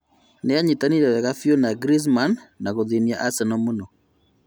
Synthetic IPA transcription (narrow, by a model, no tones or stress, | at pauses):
neaɲitaniɾɛwɛɣafjonaɡɾis̬manːaɣoðiniaʔasɛnɔmunɔ